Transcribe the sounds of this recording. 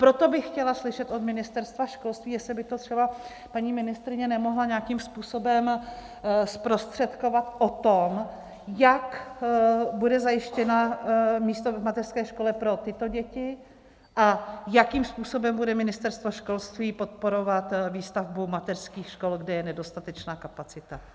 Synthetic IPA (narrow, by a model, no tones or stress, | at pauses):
pɾo̞t̪o̞bɪxcɛlaslɪʃɛt̪ʔo̞d̪mɪnɪst̪ɛɾst̪vaʃko̞lst̪viːjɛslɪbɪt̪o̞t̪r̥ɛba | paɲiːmɪnɪst̪ɾɪɲɛnɛmo̞ɦlaɲakiːmspuːso̞bɛm | spɾo̞st̪r̝̥ɛt̪ko̞vat̪ʔot̪om | jak | budɛzajɪʃcɛnamiːst̪ovmat̪ɛrskɛːʃko̞lɛpɾo̞t̪ɪt̪o̞ɟɛcɪ | ʔajakiːmspuːso̞bɛmbudɛmɪnɪst̪ɛɾst̪voʃko̞lst̪viːpo̞t̪̚po̞ɾo̞vat̪viːst̪avbumat̪ɛr̥skiːxʃko̞lɡdɛjɛnɛdo̞st̪at̪ɛt͡ʃnaːkapat͡sɪt̪a